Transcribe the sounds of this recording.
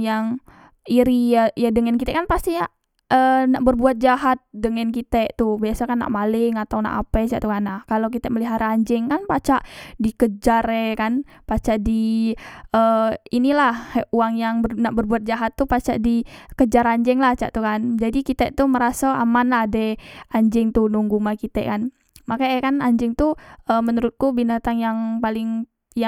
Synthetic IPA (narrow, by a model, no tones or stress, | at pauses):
jaŋ | iɾijajadəŋankit̪ɛʔkanpast̪ija | ʔənaʔbərbuat̪̚d͡ʒaɦat̪̚dəŋankit̪ɛʔt̪ubiasakanːa̰ʔmalɪŋat̪awna̰ʔa̰pɛt͡ʃa̰ʔt̪ukanːahkalok̬it̪ɛməliɦaɾaɲd͡ʒɛŋkanpat͡ʃaʔdikəd͡ʒaɾɛkan | pat͡ʃaʔdi | əinilahuaŋjaŋbənaʔbərbuat̪̚d͡ʒaɦat̪ːupat͡ʃaʔdikəd͡ʒaɾaɲd͡ʒɛŋlaht͡ʃa̰ʔt̪ukand͡ʒadikit̪ɛʔt̪uməɾasaamanlahdɛaɲd͡ʒɪŋt̪unuŋɡumakit̪ɛ̰ʔkan | makaɛkanaɲd͡ʒɪŋt̪uəːmənəɾʊt̪̚kubinat̪aŋjaŋpalɪŋ | ja